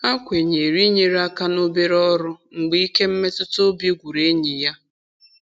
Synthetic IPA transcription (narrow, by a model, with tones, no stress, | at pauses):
a˦kʷe˨ɲe˨ɾi˦ɲe˨ɾa˦ka˦no˦be˦ɾɔ˦ɾʊ˦ŋ͡m̩˨ɡ͡bi˦ke˦m̩˦me˦tʊ˦to˦bji˦ɡʷu˨ɾe˦ɲe˨ja˦